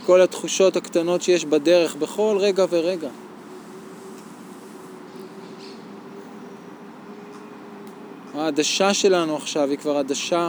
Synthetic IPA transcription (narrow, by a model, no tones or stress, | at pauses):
ko̞lat̪χuʃo̞thakt̪ano̞tʃe̞jeʃbad̪e̞ʁe̞χbe̞χo̞lʁe̞ɡave̞ʁe̞ɡa | haːdaʃaʃe̞lanuaχʃavikvaʁad̪aʃa